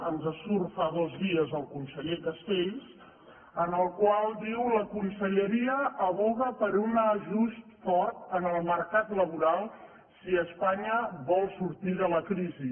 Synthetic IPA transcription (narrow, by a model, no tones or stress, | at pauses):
ənzəsuɾfaðɔzðiəzəlˠkunsəʎekəst̪eʎs | ənəlˠkwalˠd̪iwləkunsəʎəɾiəʔəβ̞uɣəpəɾunəʒust̪fɔrt̪ənəlˠməɾkat̪ləβuɾalˠ | siəspaɲəβɔlˠsuɾt̪iðələkɾizi